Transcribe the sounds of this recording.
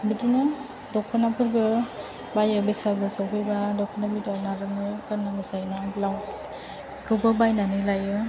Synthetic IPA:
bidinɯ | dɔkʰːɔnapʰuɾbɯ | bajɯbejsaɾbɯsawɦʰɯjbadɔkʰɔnabidanaɾɯnɯkanaŋɯzajnablaws | kʰɯwbɯbajnanɯlajɯ

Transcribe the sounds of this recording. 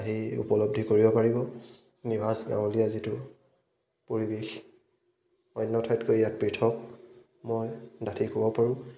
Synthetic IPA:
aɦiṵpɔlɔb̚dʱikoɹibɔpaɹibɔ | nibasɡã̰w̃lijazitʊ | poɹibex | ɔjnːɔtʰɔjtkojjat̚pɹitʰɔk̚ | mɔjdatʰikɔbɔpaɹʊ̃

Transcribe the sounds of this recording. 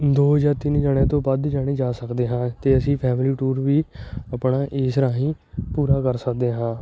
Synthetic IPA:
d̪oːd͡ʒaːt̪ɪnd͡ʒaːɽ̃ẽːt̪õːpəd̪d͡ʒaːɽ̃iːd͡ʒaːsəkd̪eːɦãːt̪eːəsĩːpʰɛːmliːʈuːɾʋiːəpɳaːʔeːsɾaːɦĩː | puːɾaːkəɾsək̚d̪eːɦãː

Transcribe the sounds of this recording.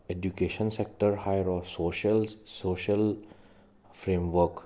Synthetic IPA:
eɖjukeʃə̃nsek̚ʈəɾhajəɾɔːsoːʃəlsoːʃəl | fɾẽːmʋəɾk

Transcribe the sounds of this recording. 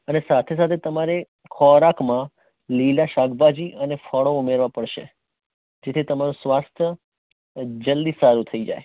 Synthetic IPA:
ənesat̪ʰes̬at̪ʰet̪əmaɾe | kʰɔɾakmã | lilaʃaɡbad͡ʒiʔənefəɭoumeɾʋapəɽʃḛ | d͡ʒet̪ʰit̪əmaɾũsʋast̪ʰə | d͡ʒəld̪isaɾut̪ʰəid͡ʒa̰j

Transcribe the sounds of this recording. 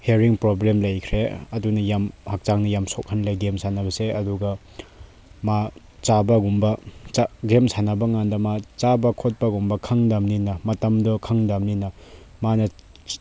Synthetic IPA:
heɾiŋpɾoblemlɐjkʰɾeɐdunɐjamhak̚t͡ʃaŋnɐjamsok̚hɐnlɐjɡemsanɐbɐseɐduɡɐ | ma | t͡ʃabɐɡumbɐt͡ʃaɡemsanɐbɐŋandɐmat͡ʃabɐkʰot̚pɐɡumbɐkʰɐŋdamninɐmɐtɐmdɔkʰɐŋdamninɐmanɐ

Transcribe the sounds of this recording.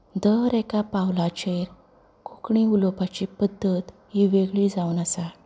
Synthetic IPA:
d̪əɾekapawlat͡ɕeɾ | kukɳiulopat͡ɕipəd̪ːət̪ | ɦiʋeɡɭiːd͡zaunasa

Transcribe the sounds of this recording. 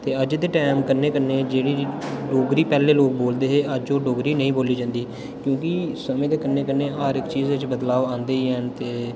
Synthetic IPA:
t̪eːəd͡ʒd̪eːʈɛːmkəɾneːkəɾneːd͡ʒeːɽiːɖoːɡɾiːpɛːleːloːk̚boːld̪eːɦeːʔəd͡ʒoːɖoːɡɾiːnəĩːboːliːd͡ʒãːnd̪iː | kjõːkɪsəmẽːd̪eːkəɾnːeːkəɾneːaːɾɪkt͡ʃiːzʋɪt͡ʃbəd̪laːʋãːnd̪eːiɦɛːnt̪eː

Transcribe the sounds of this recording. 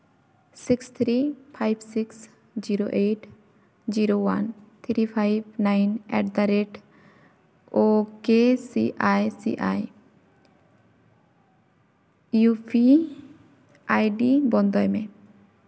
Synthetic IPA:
sikst̪ʰɾipʰajbsiks | d͡ʒiɾoʔeʈ | d͡ʒiɾowa̰nt̪ʰiɾipʰajbnajnɛ̰ʈ̚d̪aɾeʈ | okesḭʔajsḭʔa̰j | jupʰi | ʔajɖibɔnd̪ɔjme

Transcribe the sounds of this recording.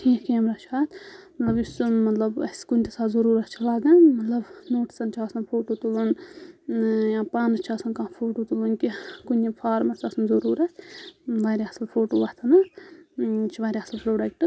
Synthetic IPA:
iːkʰiɐmɾat͡ʃʰaːt̪ʰmɐt̪lɐbjusmɐt̪lɐbɐ̰skunʲt̪isaːt̪zɐɾuːɾɐt̪t͡ʃʰilaːɡãmɐt̪lɐbnoːʈsɐnt͡ʃʰaːsɐnpʰoːʈoːt̪ulɐn | jãːpãːnzt͡ʃʰaːsɐnkãːpʰoːʈot̪ulɐnkikunipʰaːɾmɐsaːsɐnzɐɾuːɾɐt̪ʰʋaɾʲiɐsɐlpʰoːʈoːʋɐt̪ʰɐnɐ | t͡ʃʰiʋaːɾʲiɐsɐlpɾoːɖɐk̚ʈɨ

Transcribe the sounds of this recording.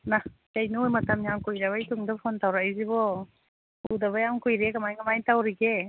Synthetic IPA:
nakajnɯojmatamjamkujɾaβajtuŋdapʰontawɾajzibɔ | udaβajamkujɾekamajkamajtawɾiɡe

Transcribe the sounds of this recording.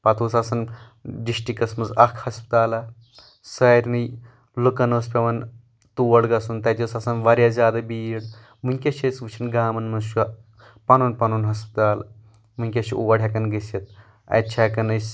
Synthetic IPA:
pɐt̪ʰuːsɐsɐn | ɖiʃʈikɐsmɐzɐkʰhɐspt̪aːlɐ | sɐɾʲnɨj | lukɐnoːspʲɐʋɐn | t̪uːʋɐɽɡɐsunt̪ɐt̪ʲɐsɐsɐnʋɐɾʲjaːzʲaːd̪ɐbiːɽ | munʲkʲɐʃʰʲet͡sʋɨt͡ʃʰinɡaːmɐnmɐzʃu | pɐnuːnpɐnuːnɦɐspt̪aːl | mɨnʲkʲɐʃiʔṵʋɐɽʲjɐkɐnɡɐsʲɐt̪̚ | ɐ̰t͡ʃʰakɐnɐsʲ

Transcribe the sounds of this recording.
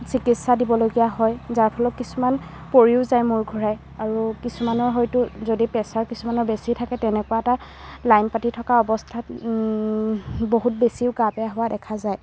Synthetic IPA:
sikitsadibɔloɡijaɦɔjzaɹpʰɔlɔt̚kisuman | poɹiʊzajmʊɹɡʱɔɹaj | aɹukisumanɔɹɦɔjtʊzodipɛsaɹkisumanɔɹbesitʰakɛtɛnɛkuwaɛta | lajnpatitʰɔkaɔbɔstʰat | boɦut̚besiʊɡapɛjaɦʊwadɛkʰazaj

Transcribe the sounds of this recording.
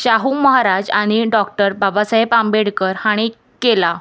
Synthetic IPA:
ɕaɦuməɦaɾad͡ʑaɽ̃iɖɔkʈəɾbabasəɦepambeɽkəɾhaɽ̃i | kela

